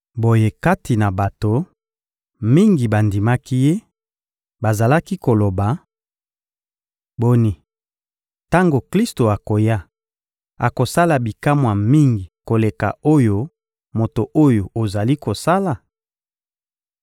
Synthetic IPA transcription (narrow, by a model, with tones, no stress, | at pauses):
bo˨je˦ka˦tʰi˨na˨ba˨to˨ | mi˦ŋɡi˨ba˨ndi˨ma˦ki˦je˦ | ba˨za˨la˦ki˦ko˨lo˨ba˨ | bo˦ni˨ | ta˦ŋɡo˨kli˦sto˨a˨ko˨ja˦ | a˨ko˨sa˦la˨bi˨ka˦mwa˨mi˦ŋɡi˨ko˨le˨ka̰˨o˦jo˦ | mo˨to˨ʔo˦jo˨o˨za˨li˦ko˨sa˦la˨